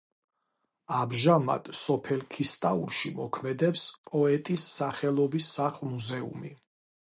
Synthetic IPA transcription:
amʒama̰d̪̥sɔpʰɛlkʰist̪ʼaṵɾʃimɔkʰmɛd̪ɛpspʼɔɛt̪ʼisːaχɛlˠɔbisːaχlˠmuzɛṵmi

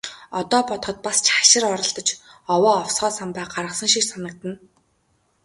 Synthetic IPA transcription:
ɔt̪ɔːpɔt̪χɞ̆t̪̚past͡ɕʰaʃɪ̆rɔɾɞ̆ɮt̪ɞ̆t͡ɕɔwɔːɔwsχɔːsampæːɢaɾʁə̆χsə̆ŋʃiksanə̆k̚t̪ə̆n

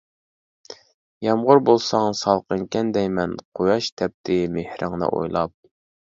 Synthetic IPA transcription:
jɑmʁʊɾbolˠsɑŋsɑlˠqəŋkʲɛnd̪ɛjmɛnqʰojɑʃt̪ʰɛp̚t̪ʰɪmehɾʔɪŋnɨ̰ʔo̰jlˠɑp̚

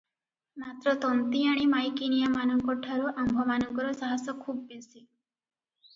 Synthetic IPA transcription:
mat̪ɾɔt̪ɔnt̪iaɽ̃imajkinijamanɔŋkɔʈʰaɾuʔambʱɔmanɔŋkɔɾɔsaɦasɔkʰub̚bisi

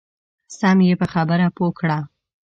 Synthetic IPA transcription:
samjepəxabəɾapokɽa

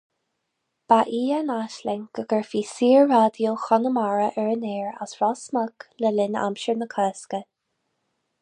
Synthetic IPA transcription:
b̥aʔiːanaʃlɛŋɡ̥əɡəɹfiːsiːɹːaːd̪joxɔnəmaɹəʔɛɹənɛːɹa̰sɹɔsməkləlɪna̰mʃəɹnəkʰɛːskə

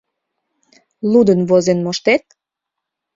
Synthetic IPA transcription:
lud̪ənβozenmoʃt̪et̪̚

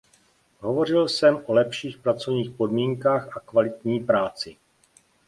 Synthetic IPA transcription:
ɦo̞vo̞r̝ɪlsɛmʔo̞lɛpʃiːxpɾat͡so̞vɲiːxpo̞dmiːŋkaːxakvalɪt̪ɲiːpɾaːt͡sɪ

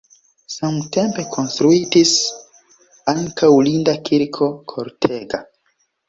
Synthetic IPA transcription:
samte̞mpe̞kʰo̞nstɾuitis | aŋkawlindakʰiɾkʰo̞kʰo̞ɾtʰe̞ɡa

